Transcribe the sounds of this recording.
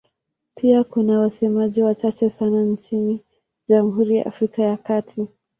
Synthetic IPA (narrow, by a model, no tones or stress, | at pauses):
pʰiakunawasɛmaʄiwat͡ʃat͡ʃɛsanant͡ʃini | ʄamɦuɾija̰ʔa̰fɾikajakatʰi